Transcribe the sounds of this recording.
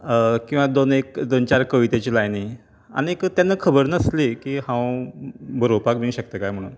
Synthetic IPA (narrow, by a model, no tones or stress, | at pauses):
kĩw̃ʋad̪onekd̪ont͡ɕaɾkəʋit̪et͡ɕilajni | a̰niekət̪janːəkʰəbəɾnəslekiːhãw | bʱəɾopakbinɕəkt̪əkajm̤əɽṵːn